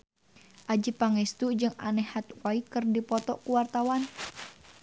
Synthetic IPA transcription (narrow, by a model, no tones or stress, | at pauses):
ʔad͡ʒipaŋɛst̪ud͡ʒɨŋanɛhat̪waikɨrdipɔt̪ɔʔkuwart̪awan